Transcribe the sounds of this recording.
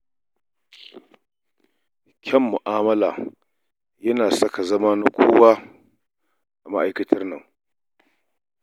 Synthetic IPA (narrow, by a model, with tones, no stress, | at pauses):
kʲʰɛ˦mːʊ˨ʔaː˦mɐ˦laː˨ | jɐ˦naː˨sɐ˦ka˨zɐ˦ma˦na˦kʷʰoː˦waː˦ | ʔa˨ma˦ʔa˨jkɐ˦tʰɐ˦rnɐ˦˨ŋ